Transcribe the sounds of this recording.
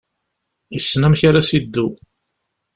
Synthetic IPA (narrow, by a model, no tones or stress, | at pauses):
jəsːnæmçaɾasid̪ːu